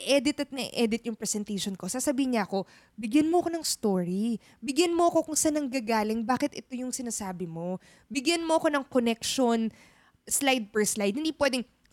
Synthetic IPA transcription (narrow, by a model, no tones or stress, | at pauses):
ɪʔɛd̪ɪt̪ɐt̪̚nɐʔɪ̰ʔɛːd̪ɪt̪̚jʊŋpɹɛsɛnt̪ejʃonko̞saːsɐbiːhɪɲɐʔɐko̞ | bɪɡjɐnmoɐko̞nɐŋst̪oːɹi | bɪɡjɐnmoɐko̞kʊŋsanːɐŋɡaɡaːlɪŋbaːkɪt̪ʔɛt̪o̞jʊŋsɪnasaːbɪmo̞ | bɪɡjɐnmoɐko̞nɐŋkonɛkʃon | slajd̪̚pɛɹslajd̪̚hɪnd̪iːpwɛːd̪ɛŋ